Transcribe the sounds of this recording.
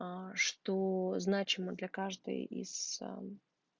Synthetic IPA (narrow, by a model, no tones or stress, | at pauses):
ʂt̪oznat͡ɕɪməd̪lʲɐkaʐd̪ɨ̰jḭz̥̰